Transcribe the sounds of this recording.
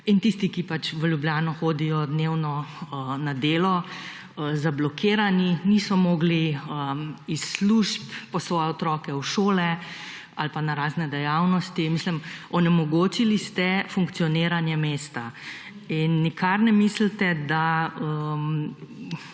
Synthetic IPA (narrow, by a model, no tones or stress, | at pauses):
int̪ist̪ikipat͡ʃʋəljubljaːnɔxoːd̪ijɔd̪neːwnɔənad̪eːlɔ | əzablɔkʰeːɾaninisɔmɔːɡliəisluʃpːɔsʋɔːjɛɔt̪ɾɔːkɛwʃoːlɛ | a̰lpanaɾaːznɛd̪ɛjawnɔst̪imislimɔnɛmɔɡoːt͡ʃilist̪ɛfuŋkt̪sijɔneːɾanjɛmeːst̪a | inːikʰaɾnɛmiːslt̪ɛd̪aəm